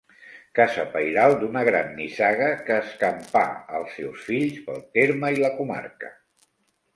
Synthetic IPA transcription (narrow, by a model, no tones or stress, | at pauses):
kasəpəjɾalˠd̪unəɣɾanːisaɣəkəːskəmpa̰əlˠsːɛwsfiʎspəlˠt̪eɾməiləkuma̰ɾkə̰